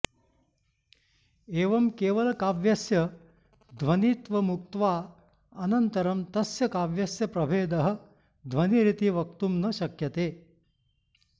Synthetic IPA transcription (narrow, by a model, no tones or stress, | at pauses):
eːʋɐmkeːʋɐlɐkaːʋjɐsjɐ | d̪ʱʋɐniːt̪ʋɐmuk̚t̪ʋaː | ɐnɐnt̪ɐɾɐmt̪ɐsjɐkaːʋjɐsjɐpɾɐbʱeːd̪ɐɦɐ̆ | d̪ʱʋɐniɾit̪iʋɐk̚t̪umnɐʃɐkjɐt̪eː